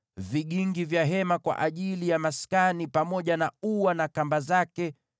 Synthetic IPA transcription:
viɠiŋɡivjaɦɛmakwa̰ʔaʄilijamaskanipamɔʄanauwanakambazakɛ

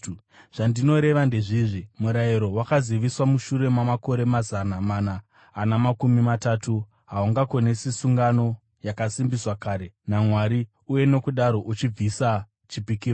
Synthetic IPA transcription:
ʐ̥andino̞ɾe̞ʋande̞ʐiʐimuɾaiɾo̞wakaziʋiswamuʃuɾe̞mamako̞ɾe̞mazanamanaː | namakumimataːtʰu | ɦauŋɡakonesisuŋɡano̞ | jakasimbiswakaːɾe̞namwaɾi | uje̞no̞kuɗaɾo̞ʔut͡ʃib͡visa | t͡ʃipikiːro

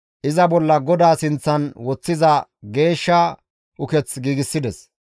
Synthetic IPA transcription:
ʔɪzɐbɔlːɐɡɔd̪aːsɪnt͡sːɐnwɔt͡sːɪzɐɡe̞ːʃːɐ | ʔʊkɛt͡sɡiːɡɪsːɪd̪ɛs

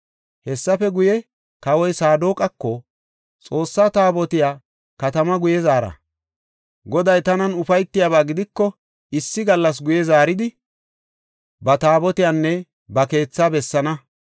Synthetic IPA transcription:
hɛsːɐfɛɡʊjɛ | kɐwɔjsaːd̪o̞ːkʼɐkːɔ | t͡sʼo̞ːsːaːt̪aːbɔt̪ɪjaː | kɐt̪ɐmɐɡʊjɛzaːɾɐ̰ | ɡɔd̪ɐjt̪ɐnɐnʊfɐjt̪ːɪjaːβaːɡɪd̪ɪkːɔ | ɪsːɪɡɐlːɐs̬ɡʊjɛzaːɾɪd̪ɪ | bɐt̪aːbɔt̪ɪjaːnːɛ | bɐke̞ːt͡sːaːbɛsːɐnɐ

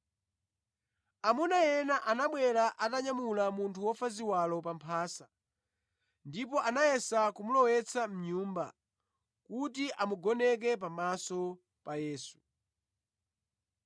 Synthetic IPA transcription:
amunajɛnaʔanaɓwɛɾaʔataɲamulamuntʰuwɔfaziwalɔpampʰaːsa | ndip̬ɔʔanajɛsakumulɔwɛt͡sʰam̩ɲuːmba̰ | kutiʔamuɡɔnɛk̬ɛp̬amasɔ | pajɛːsu̥

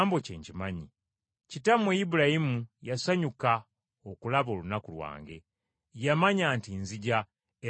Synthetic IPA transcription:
mbo̞ce̞̰ːɲcimaɲi | citamwejibulajimujasaɲuka | okulaβo̞ːlunakulwa̰ːŋɡe̞̰ | jamaɲaːntinziɟa | e

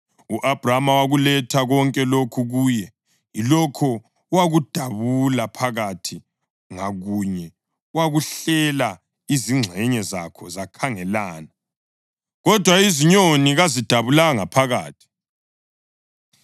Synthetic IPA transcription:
uʔab̥ʱramawaɣulɛtʰaɣɔŋkʼɛlokʰuɣuːjɛ | ilɔkʰɔ | waɣud̥ʱaβulapʰaɣatʰi | ŋaɣuɲɛ | waɣuɬɛla | iziŋ͡ǁʱɛɲɛza̰kʰɔzakʰaŋɛlaːna | ɣɔd̥ʱwaiziɲoniɣazid̥ʱaβulaɣaŋapʰaɣa̰ːtʰi̥

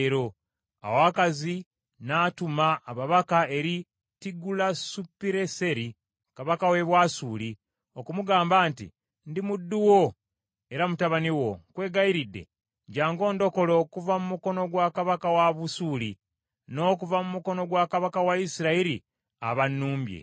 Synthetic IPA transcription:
ɾo̞ | a̰wakazi | naːtumaːβaβakae̞ɾi | tiɡulasupːiɾe̞se̞ɾi | kaβakawe̞βwasuːli | o̞kumuɡaːmbaːntḭ | ndimudːuwo | e̞ɾamutaβaniwo̞kwe̞ːɡaiɾidːe̞̰ | ɟaːŋɡo̞ːndo̞ko̞lo̞ːkuvamumuko̞no̞ɡwaːkaβakawaβusuːli | no̞ːkuvamumuko̞no̞ɡwakaβakawaisiɾaiɾḭ | a̰βanːuːmbjḛ

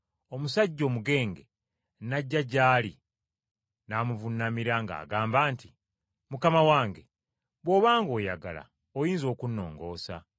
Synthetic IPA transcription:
omusaɟːo̞ːmuɡe̞ːŋɡe̞ | naɟːaɟaːli | naːmuvunːamiɾaŋɡa̰ːɡaːmbaːnti̥ | mukamawaːŋɡe̞ | βwo̞ːβaːŋɡo̞ːjaɡa̰la̰ | ojiːnzo̞ːkunːo̞̰ːŋɡo̞ːsa̰

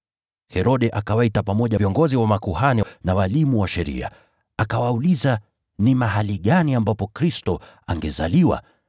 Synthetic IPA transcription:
hɛɾɔɗɛʔakawaitapamɔʄaviɔŋɡɔziwamakuhaninawalimuwaʃɛɾḭa̰ | akawauliza | nimaɦaliɠaniambapɔkɾistɔ | aŋɡɛza̰liwa̰

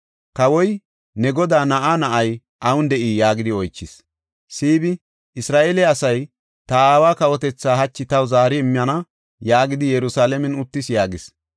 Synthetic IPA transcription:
kɐwɔj | nɛɡɔd̪aːnɐʔaːnɐʔɐj | ʔɐwʊnd̪ɛʔiːjaːɡɪd̪ɪɔjt͡ʃːɪs | siːbɪ | ɪsɾaːʔelɛɐsɐj | t̪ɐaːwaːkɐwɔt̪ɛt͡sːaːɦɐt͡ʃːɪt̪ɐwzaːɾɪɛmːɪjɐnɐ | jaːɡɪd̪ɪjɛɾʊsaːlɛmɛnʊt̪ːɪsjaːɡɪs

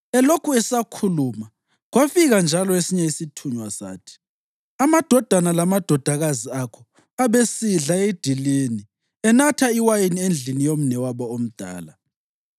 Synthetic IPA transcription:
ɛlokʰuɛsakʰuluːma | ɣwafiɣand͡ʒʱalɔesiɲɛisitʰuɲwasa̰ːtʰi̥ | amad̥ʱɔd̥ʱanalamad̥ʱɔd̥ʱaɣaziakʰɔ | aβesiɮaed̥ʱilini | ɛnatʰaiwajiniend͡ɮʱinijom̩nɛwaβɔom̩d̥ʱa̰ːla

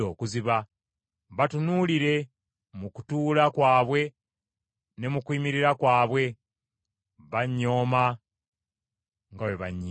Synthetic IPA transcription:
o̞ːkuziβa | βatunuliɾe̞ | muku̥tuːlakwaːβwe̞ | ne̞mukwiːmiɾiɾakwaːβwe̞ | βaɲːo̞ːma | ŋɡaweβaɲːi

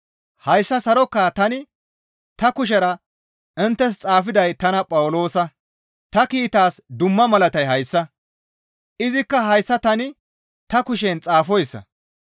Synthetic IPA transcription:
hɐjsːɐsɐɾɔkːaːt̪ɐnɪ | t̪ɐkʊʃ̬ɛɾɐ | ɪnt̪ːɛs̬t͡sʼaːfɪd̪ɐjt̪ɐnɐpʼɐwʊlo̞ːsɐ | t̪ɐkiːt̪aːsd̪ʊmːɐmɐlɐt̪ɐjɦɐjsːɐ | ʔɪzɪkːɐɦɐjsːɐt̪ɐnɪ | t̪ɐkʊʃɛnt͡sʼaːfɔjsːɐ̰

